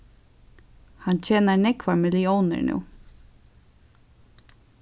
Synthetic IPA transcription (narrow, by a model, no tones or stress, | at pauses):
hant͡ɕʰɛːnaɹnɛkvamɪlɪɔwnɪ̰ɹnʉ̰ː